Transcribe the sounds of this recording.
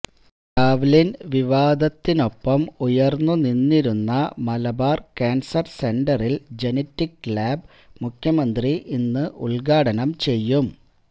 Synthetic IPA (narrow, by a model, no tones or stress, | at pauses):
kaːʋlinʋiʋaːd̪ʱɐt̪ːino̞pːɐmujɐrnːuninːiɾunːɐmɐlɐbaːrkaːnsɐrse̞nɖɐrild͡ʑe̞nɐtːikːlaːb̚ | mukʰjɐmɐnd̪riʔinːɨʔṵɭɡaːɽɐnɐmt͡ɕe̞jːum